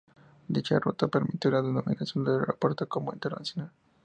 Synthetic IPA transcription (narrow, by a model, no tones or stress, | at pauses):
d̪it͡ʃarot̪apeɾmit̪jolaðenomḭ̃nasjo̞nd̪eleɾopoɾt̪ekomoint̪eɾna̰sjo̞nal